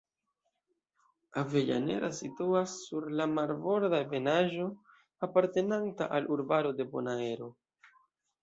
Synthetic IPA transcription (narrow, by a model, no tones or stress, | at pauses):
ave̞ʎa̰ne̞̰ɾʔasituasːuɾlamaɾvo̞ɾdaeve̞naʒo̞ | apaɾte̞nantaʔalʔuɾbaɾo̞de̞bo̞̰nae̞ɾo̞